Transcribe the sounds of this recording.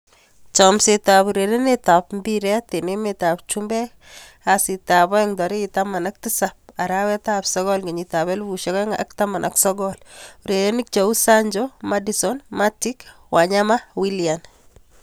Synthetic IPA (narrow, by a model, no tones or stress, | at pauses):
t͡ʃɔmsetapuɾeɾenetapmbiɾɛtenemetap̚t͡ʃumbɛ | asitabɔɛŋdɔɾiitamanak̚tisap̚aɾawɛtapsɔɡɔlŋɡeɲitaβɛlbuʃɛkɔŋa̰ktamanʔa̰ksɔɡɔluɾeɾenik̚t͡ʃausaɲd͡ʒɔmadisɔnmatik | wʔaɲamawilijan